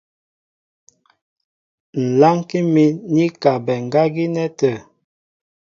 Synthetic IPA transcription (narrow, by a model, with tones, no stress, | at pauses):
n̩˨la˦ŋki˦mi˦ni˦ka˨bɛ˨ŋ̩˨ɡa˦ɡi˦nɛ˦tə˨